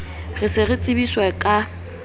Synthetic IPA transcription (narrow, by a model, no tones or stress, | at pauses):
ɣɪsɪɣɪt͡sʼɪbiswɛkʼa